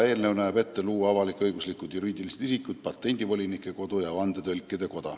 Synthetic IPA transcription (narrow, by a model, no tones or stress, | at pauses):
e̞ːlnewnæːb̥e̞t̪ːe̞luːɑvɑlikːɤjɡuslikːˑud̪̥juɾiːd̪iliset̪isikːˑut̪̚pɑt̪ˑːe̞nʲd̪̥ivo̞lʲinikːˑeko̞d̪ujɑvɑnd̪et̪ø̞lʲkːˑed̪e̞ko̞d̪̥ɑ